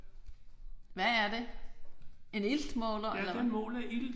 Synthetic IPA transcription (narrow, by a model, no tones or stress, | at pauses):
ʋææɐde̝ | e̝nild̥mɔːlɐlɐ̥enmɔ̰ːlæʔild̥